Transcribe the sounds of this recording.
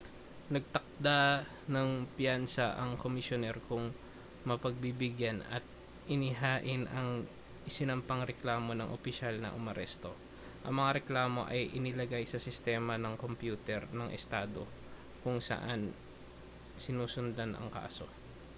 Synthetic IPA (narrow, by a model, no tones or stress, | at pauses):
nɐɡ̚t̪ɐk̚d̪a | nɐŋpjansɐʔɐŋkomɪsjonɛɾkʊŋ | mɐpɐɡ̚bibɪɡjanɐ̰t̪̚ | ʔɪnɪɦaːʔɪnɐŋ | ʔɪsɪnɐmpɐŋɾɛklaːmo̞nɐŋʔopɪʃalnɐ̰ʔʊmɐɾɛst̪o̞ | ʔɐ̰ŋmɐŋaɾɛklaːmo̞̰ʔɐjʔɪnɪlɐɡajsɐsɪst̪ɛːmɐnɐŋko̞mpjuːt̪ɛɾnɐŋʔɛ̰st̪aːd̪o̞ | kʊŋsa̰ʔan | sɪnuːsʊnd̪anʔɐ̰ŋka̰ːso̞̰